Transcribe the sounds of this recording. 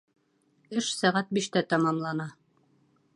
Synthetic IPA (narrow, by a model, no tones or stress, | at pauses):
ɘʃsæʁæt̪̚biʃt̪æt̪ɑmɑmlˠɑnɑ